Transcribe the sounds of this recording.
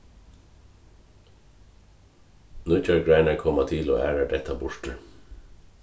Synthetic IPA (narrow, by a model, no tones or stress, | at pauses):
nʉːcœɹɡɹæɪnəkʰɔmɑt̪ʰɪlo̰ːʔæːɹəɖɛt̪ʰɑbʊʃʈə